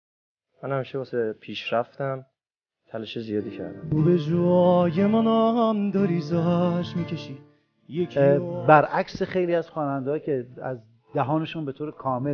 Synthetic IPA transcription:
mænhæmiʃebosepʰiːʃɾæft̪æm | t̪ʰælɔʃezijɒːd̪iːcʰæ̰ɾd̪æ̰mobed͡ʒuːjemɔnɒːɦæmd̪ɒːɾiːzɒʃmiːcʰeʃiː | jebæɾʔæksexe̞jliːæz̥χɒːnænd̪ɒːcʰe̞æ̰z | d̪æɦɒːne̞ʃunbe̞t̪ʰoːɾekʰɒːme

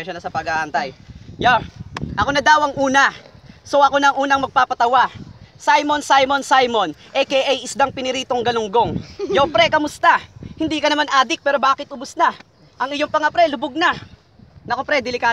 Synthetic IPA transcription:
ɛʃonɐsɐpɐɡaʔɐnt̪ajjaʔɐko̞nɐd̪aːwɐŋʔuːnɐsoʔɐko̞nɐːŋʔuːnɐŋmɐɡ̚paːpɐt̪ɐwasajmonsajmo̞nsajmo̞nʔɛkɛʔɐjɪsd̪aŋpɪnɪɾiːt̪oŋɡɐlʊŋɡo̞ŋjopɾɛkɐmʊst̪ahɪnd̪iːkɐnɐmanʔaːd̪ɪk̚pɛːɾo̞baːkɪt̪ʔʊbʊsna | ʔɐŋɪjoŋpɐŋapɾɛlʊbʊɡ̚na | nɐkopɾɛd̪ɪlɪkaː

